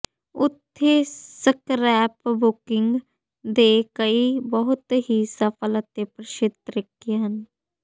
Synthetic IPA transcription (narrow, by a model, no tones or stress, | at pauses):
ʊt̪ʰːeːsəkɾɛːpbʊkɪŋɡ | d̪eːkəiːbəɦʊt̪ɦiːsəpʰələt̪eːpɾəʃɪt̪ɾɪkijɦən